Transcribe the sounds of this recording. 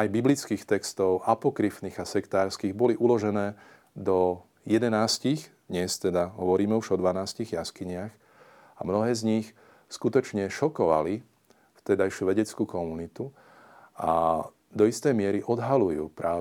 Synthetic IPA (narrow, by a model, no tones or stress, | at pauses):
ajbiblit͡skiːxt̪ɛkst̪ɔʊʔapɔkɾifniːɣasɛkt̪aːɾskiːɣbɔliʔulɔʒɛnɛː | d̪ɔ | jɛd̪ɛnaːsciɣd̪ɲɛst̪ɛd̪aɦɔʋɔɾiːmɛuʒɔd̪ʋanaːsciɣjaskiɲɪax | a̰mnɔɦɛːzɲix | skut̪ɔt͡ʃɲɛʃɔkɔʋa̰li | ft̪ɛd̪ajʃuʋɛɟɛt͡skukɔmunit̪u | a̰ | d̪ɔist̪ɛjmɪɛɾiʔɔd̪ɦalujṵːpɾaː